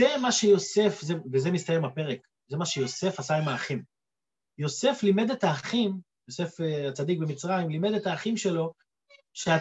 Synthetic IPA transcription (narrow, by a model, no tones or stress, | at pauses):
emaʃejo̞se̞fzevezemist̪ajemape̞ʁek | zemaʃejo̞se̞fasaimaːχim | jo̞se̞flime̞d̪et̪aːχim | jose̞feat͡sad̪ik̚bemit͡sʁaimlime̞d̪etaːχimʃe̞lo̞ | ʃea